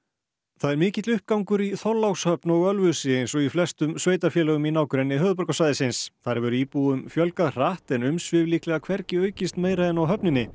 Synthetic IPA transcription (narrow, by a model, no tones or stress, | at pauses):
θaðɛɾmɪːcɪt̪lʏhp̚kawŋkʏɾiθɔlːawshœpnɔɣœlvʏsɪejjnsɔɣiflɛst̪ʏmsveːjt̪afjɛːlɛɣʏminaːwkʏɾɛnːɪɦœːðʏpɔɾkasajðɪsɪnsθaɾvʏɾʏiːpuʏmfjœlkaðr̥aht̪ɛnʏmsvɪvliːhklɛɣakʰvɛɾcɪœːɥcɪst̪meːjɾaðɛnawɦœpnɪnːɪ